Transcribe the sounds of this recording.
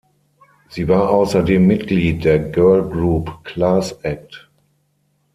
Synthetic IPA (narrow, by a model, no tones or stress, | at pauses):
z̥iːvaːɐʔaʊsɐdeːmːɪtɡ̥liːt̚d̥eːɐɡɜɐlɡʁuːpkl̥aːsɛk̚t